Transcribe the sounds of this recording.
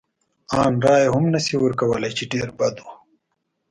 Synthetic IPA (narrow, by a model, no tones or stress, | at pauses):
ɑːnɾɑːjeɦʊmnasiwəɾkawəlajt͡ʃeɖeːɾbɐd̪u